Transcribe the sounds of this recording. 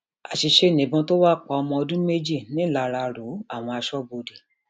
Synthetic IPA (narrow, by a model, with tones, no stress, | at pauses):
a˨ʃi˧ʃe˦˨nĩ˨˦bɔ̃˧to˦wa˦˨k͡pa˧ɔ˧mɔ̃˧ɔ˧dũ˦me˦d͡ʒi˦˨nĩ˨˦˨la˨˧˨ɾa˧˨ɾo˨˦a˦˨w̃ɔ̃˧a˧ʃɔ˦bo˧de˨